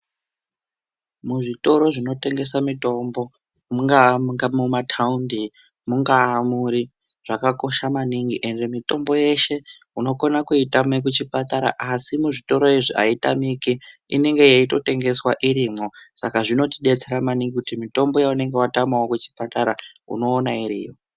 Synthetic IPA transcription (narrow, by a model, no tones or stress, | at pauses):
muʐito̞ɾo̞ʐino̞te̞ŋɡe̞samito̞mbo̞ | muŋɡaŋɡamumatʰaundi | muŋɡaːmuɾiʐ̥akako̞ʃamaniŋɡiʔe̞nde̞mito̞mbo̞je̞ʃe̞ | uno̞konakuitamek̬ut͡ʃipataɾa̰ʔasimuʐito̞ɾo̞eʐia̰ita̰mikiḭne̞ŋɡe̞jaito̞te̞ŋɡe̞swaʔiɾimosakaʐino̞tiɗe̞t͡se̞ɾamaniŋɡikutimito̞mbo̞jaune̞ŋɡe̞watamawokut͡ʃi̥pataɾaṵno̞ːnaiɾḭːjo